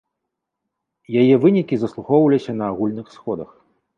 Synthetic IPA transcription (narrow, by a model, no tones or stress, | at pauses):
jajɛvɨnʲikʲizɐslˠuxɔwlʲisʲɐnɐːɣulʲnɨxsxɔd̪ɐ̰x